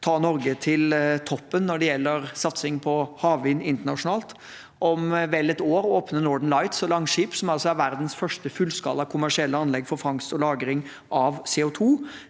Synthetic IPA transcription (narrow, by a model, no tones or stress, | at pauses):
t̪ʰɑːnɔɾɡət̪ʰɪlt̪ʰɔpːənːɔɖɛjɛlːəɾsɑt̪sɪŋpʰɔhɑːʋʋɪnːɪnt̪əɳɑʂʊnɑːlt̪ | ʔɔmʋɛlːɛt̪oːɾoːpnənɔɖ̪əɳlɑɪt̪sɔlɑŋːʂiːpsɔmɑlsɔæɾʋæɾd̪n̩sfœʂʈəfʉlːskɑ̰lɑkʰʊmæʂɪɛlːəɑnlɛɡfɔɾfɾɑŋst̪ɔlɑːɡɾɪŋ | ʔɑʋseːʊt̪ʰuː